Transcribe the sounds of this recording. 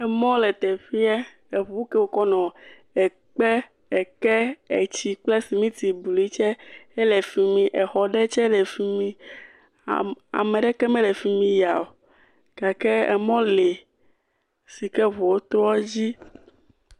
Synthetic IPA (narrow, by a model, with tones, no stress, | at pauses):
ɛ˨mɔ̃˦lɛ˨t̪ɛ˨fi˦ɛ˦ | e˨vu˦ke˦wo˨kɔ˦nɔ̃˨ | ɛ˨ | k͡pɛ˦ | ɛ˨kɛ˦e˨t͡ɕi˨k͡plɛ˦si˨mĩ˦t̪i˨bli˦t͡ʃɛ˦ɛ˦le˨fi˦mĩ˨ʔɛ˨xɔ˨ɖɛ˦t͡ʃɛ˦lɛ˨fi˦mĩ˦ | a̰˨mẽ˨ɖɛ˦kɛ˦mɛ̃˦lɛ˨fi˦mĩ˦ja˨o˨ | ɡ̥a˨kɛ˦ɛ̰˨mɔ̃˦le˨ | si˨kɛ˦vo˨wo˦t̪ɾɔ˦d͡ʑi˦